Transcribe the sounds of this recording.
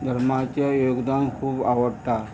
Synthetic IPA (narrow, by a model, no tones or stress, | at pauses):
d̪ʱəɾmat͡ɕjajoɡd̪ankʰuːbaʋəɽʈ̪a